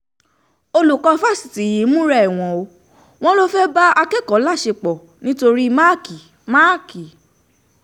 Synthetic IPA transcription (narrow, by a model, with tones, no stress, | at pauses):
o˧lu˨kɔ˧fa˦˨si̥˨ti˨ji˨˦mũ˦ɾɛ˦i˨w̃ɔ̃˨o˧ | w̃ɔ̃˦lo˦fɛ˦ba˦a˧kɛ˦˨kɔ˨˦la˦˨ʃe˧˨k͡pɔ˨ | nĩ˨˦to˧ɾi˦ma˦ki˨ | ma˦˨ki˨